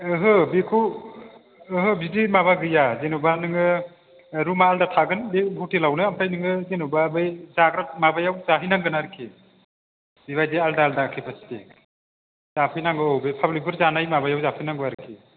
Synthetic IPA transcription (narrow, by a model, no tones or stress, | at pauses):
ɯɦɯbikʰu | ɦɯbidimaβaɡɯjazenubanɯŋɯ | ɾumaːldatʰaɡɯnbibʱutelawnɯamtʰajnɯŋɯzenubabɯjzaɡɾamabajawzaɦijnaŋɡɯnaɾkʰi | biβajdealdaːldakʰipʰasi̥te | z̥apʰɯjnaŋɡɯɔwbepʰablik̚bɯɾzanajmabajawzapʰɯjnaŋɡbaɾkʰi